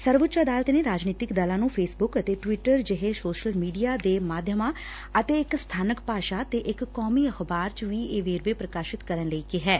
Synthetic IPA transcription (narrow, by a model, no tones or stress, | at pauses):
səɾʋʊt̪ːt͡ʃːəd̪aːlət̪neːɾaːd͡ʒniːt̪ɪkd̪əːlãːnũːpʰeːsbʊkət̪eːʈʋɪʈəɾd͡ʒɪɦesoːʃəlmiːɖijaːd̪eːmaːd̪ʱjəmãː | ət̪eːɪkst̪ʰaːnəkpaːʃaːt̪eːʔɪkkːɔːmiːəxbaːɾt͡ʃʋiːeːʋeːɾʋeːpɾəkaːʃɪt̪kəɾənləiːkɪɦɛː